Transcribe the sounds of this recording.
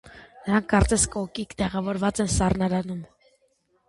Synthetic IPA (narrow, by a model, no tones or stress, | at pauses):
nəɾɑŋkʰːɑɾt͡sɛskɔkikt̪ɛʁɑvɔɾvɑt͡sɛnsɑrnɑɾɑnum